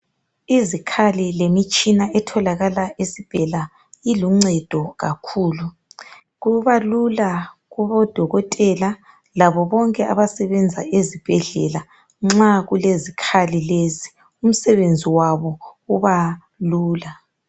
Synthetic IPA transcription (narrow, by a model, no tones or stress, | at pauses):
izikʰalilemit͡ʃʼinaʔɛtʰɔlaɣalaʔesib̥ʱɛla | iluŋ͡ǀɛd̥ʱɔɣakʰuːlu | ɣuβalulaɣuβɔd̥ʱɔɣɔtʼɛla | laβɔβɔŋkʼɛʔa̰βasɛβɛnd͡zʱaezib̥ʱɛɮɛla | ŋ͡ǁaɣulezikʰalilezi | um̩sɛβend͡zʱiwaβɔuβa | luːla